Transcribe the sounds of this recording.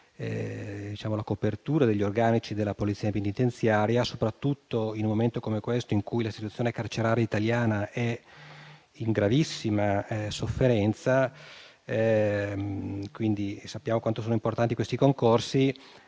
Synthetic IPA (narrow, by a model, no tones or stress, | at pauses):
ɛ̰d̪it͡ʃaːmolakopert̪uːɾad̪eʎːiorɡaːnit͡ʃid̪elːapolit̪siːapenit̪ent̪sjaːɾjasopɾat̪ːut̪ːoinumːoment̪okomekwest̪oiŋkujlaist̪it̪ut̪sjoːnekart͡ʃeɾaːɾeit̪aljaːnaɛ | iŋɡɾavisːimasofːeɾɛnt̪sa | ɛ | kwind̪isapːjaːmokwant̪osoːnoimport̪ant̪ikwest̪ikoŋkorsi